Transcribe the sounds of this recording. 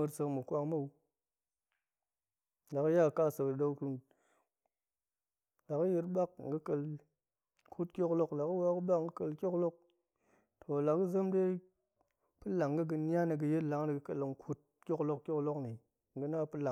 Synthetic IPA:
ɨ˧ɾsə˧kmɨ˨kʷa˧ŋma˦˨u˧ | la˨kɨ˦ja˦˨ka˦˨sə˧kdo˧u˦ku˧m | la˨kɨ˦ji˧ɾba˦k̚ŋ̩˨ɡɨ˦kə˧l | kʰu˦tkʲo˦klo˦kla˨kɨ˦wa˦kɨ˦ɓa˦kŋ̩˨ɡɨ˦kə˧lkʲo˦klo˦k̚ | tʰo˨la˨kɨ˦zə˦mde˦ | pɨ˦la˨ŋ˨ɡɨ˦ɡɨ˧nʲ˦a˦nɨ˧ɡɨ˧je˦tla˨˦ŋ˦nɨ˨ɡɨ˧kə˨lŋ˦kʰu˦t̚ | kʲo˦klo˧kkʲo˦klo˦kni˨ | ŋ̩˨ɡɨ˧na˦pɨ˦la˨

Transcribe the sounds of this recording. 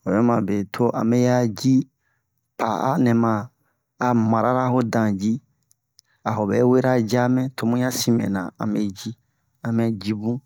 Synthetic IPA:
o˨jɔ˦mã˨be˨tʰo˦ʔã̰˨mɛ˦ja˦d͡ʒi˦ | pa˨a̰˦nɛ̃˨mãː˨ | mã˨ɾa˦ɾa˦ɦo˦dã˨d͡ʒi˦ | a˨ɦo˨bɛ˨˦we˦ɾa˦d͡ʒa˦mɛ̃˦tʰo˨˦mũ˦jã˦sĩ˦mɛ̰̃˨nã̰˨ã̰˨me˦d͡ʒi˦ | ã˨mɛ˦d͡ʒi˦bũ˦

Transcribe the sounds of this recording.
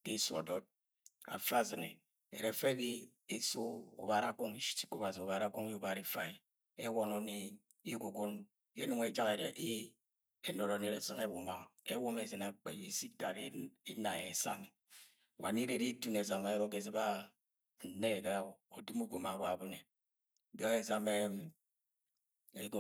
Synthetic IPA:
de˦su˦a̰˨do˦t̚ | a̰˨fa˦˨zɨ˨nḛ˨ | ḛ˨ɾe˨fe˦bi˦e˦so˦o̰˨ba˨ɾa˦ko˦ŋi˦ʃi̥˦ti̥˦ko˦˨wa˨zi˨o˨βa˨ɾa˦˨ko˦ŋ˦o˦ba˨ɾi˦fa˨ | e˦wɔ˦no˨ne˦ | i˦ɡo˨ɡo˦n | je˦nu˦ŋe˨d͡ʒa˦ke˨ɾḛ˨ʔi˦ | e˦no˨ɾo˨ne˦ɾe˨sɨ˦ŋe˦wo˨ma˨e˦wo˦me˦ze˨na˨k͡pḛ˨i˨˦si˦ta˨ɾe˦i˦na˨je˨sa̰˦n˨ | wa̰˨ni˦ɾe˦ɾi˦tu˦ne˨za˨ma˨jo˦ɡe˨ze˦ba˦ | n̩˨ne˦e˨ɡa˦˨o˨du˦mu˦ɡo˨ma˨ba˨bu˦ne˨ | ba˦ŋe˨za˨me˦ | e˦ɡo˦˨

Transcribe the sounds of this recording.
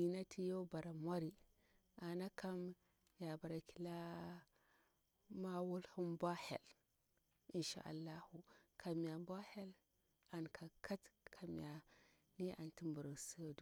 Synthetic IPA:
i˨na˦tʰi˦jo˦ba˨ɾa˨mwa˦ɾi˦ | ʔa˨na˦ka˦m | ja˨ba˨ɾa˨ki̥˨la˦ | ma˦wu˦lhu˦mba˦hḛ˨l | i˨nʃa̰˦ʔa̰˨lːa˦hu˨kʰa˨mi˨ja˨bʷa˦he˦l | a˨nkʰa˨kʰa˦tkʰa˨m̰˨ja˨ | ni˦ʔa̰˨nti˦mbu˨ɾu˨su˦jo˨du˨

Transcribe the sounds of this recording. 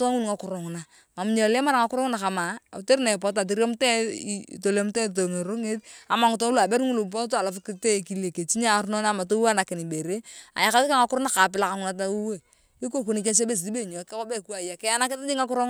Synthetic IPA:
to˦a˦ŋu˦n˨ŋa˨kʊ˨ɾo˨ŋ˨na˨ | ma˨mu˦ɲe˨le˦ma˦ɾa˨ŋa˨kʊ˦ɾo˦ŋna˨ka˨ma˨u˨te˦ɾna˨pɔ˨t̬a˨t̬i˦ɾo˦m˦tɛ̰˦˨to˨le˦m˦te˦to˨ŋe˨ɾo˦ŋe˦ta˨ma˨ŋu˨to˦lu˦˨a˨be˦ɾŋu˦lu˨p̬o˦t̬o˦a˨la˨fu˦ki˦te˦˨ki˦le˨ke˨t͡ʃi˦ɲa˦˨˦ɾno˦n˦a˦˨ma˨to˦a˦˨na˨kɪ˨ni˨be˨ɾe˦a̰˨ja˨˦ka˦i˦ka˦ŋa˦kʊ˦ɾna˦ka˨p̬ɪ˦la˦ka˨ŋu˦na˨t̬a˦u˦we˦˨ | i˦k̬o˦˨ko˦ni˨ke˦s̬e˦be˦˨s̬di˦be˦˨ɲo˨kɛ˦ko˦be˦ku˦a˨ja˨kɛ˦a˦na˦kɪ˦ta˦d͡ʒi˦ŋa˦kʊ˦ɾo˦ŋ

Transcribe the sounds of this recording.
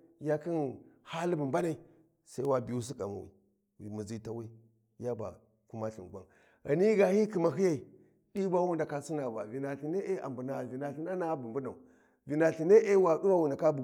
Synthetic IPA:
ja˦ki˦nha˦lbu˨mba˦na˨i˨ | sa˦i˦wa˨bi˨ju˦s̬i˦ka̰˨ma̰˨wḭ˨ | wi˨mu˨zi˦ta˦wi˦ | ja˦ba̰˨ | ku˦ma˦ɬḭ˨ŋ˨ɡʷa˦ | ɣa̰˨ni˦ɡa˨hi˦ki˨ma˨ɦi˦ja˨i˨ | di˦ba˦wu˦nda˨ka˦su˦na˨ba˨vi˨na˨ɬi˨ne˦e˦a̰˨mbu˨na˨vi˨na˨ɬi˦na˦na˦bu˨m˨bu˦na˨u˨ | vi˨na˨ɬi˨ne˦ʔe˦wa˨du˦wa˦wu˨nda˨ka˦bu˨

